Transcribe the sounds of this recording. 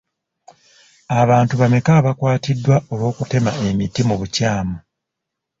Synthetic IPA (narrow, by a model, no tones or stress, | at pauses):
aβaːntuβame̞kaːβakwaːtidːwao̞lwo̞ːkute̞mae̞mitːimuβucaːmu